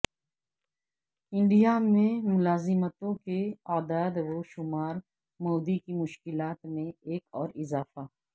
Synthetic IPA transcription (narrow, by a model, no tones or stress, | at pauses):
ɪ̃ɳɖijamẽmʊlaːzɪmət̪õkeaːd̪aːd̪ʋoʃʊmaːɾ | moːd̪ikimʊʃkɪlaːt̪mẽeːkɔːɾɪzaːfa